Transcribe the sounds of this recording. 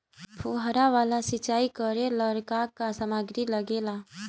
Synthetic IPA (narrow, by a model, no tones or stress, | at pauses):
pʰoɦɾaʋaːlasɪt͡ʃaːikəɾeləɾkakːasəmaɡɾiləɡeːla